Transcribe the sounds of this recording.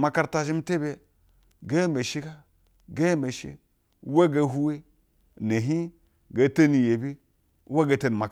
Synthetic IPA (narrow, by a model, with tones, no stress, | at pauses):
ma˨ka˦ɾta˨ʒi˦m̩˦te˦be˦ | ɡe˦me˨ʃi˦ka˦ | ɡe˦me˨ʃḭ˦ | we˦ɡa˨˦ɦu˦we˦˨ | ne˨ɦi˦ | ɡa˨˦te˦ni˨je˨bi˦ | wa˦ɡe˨te˦n˨ma˨